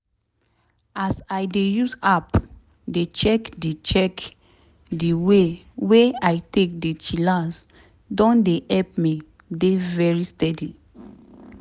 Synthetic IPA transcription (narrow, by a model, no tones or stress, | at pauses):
asajdejusap | det͡ʃɛkdet͡ʃɛk | diwe | weajtek̚dit͡ʃilas | dɔ̃ndeʔɛp̚mi | devɛɹistɛdi